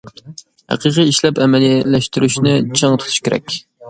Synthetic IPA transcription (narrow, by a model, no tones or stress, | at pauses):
hæ̰qʰiqɨiʃlɛpɛmɛlijɛlːɛʃt̪yɾyʃnɪt͡ʃʰɑŋt̪ʰʊ̥t̪ʰu̥ʃkʲeɾɛ̰kʲ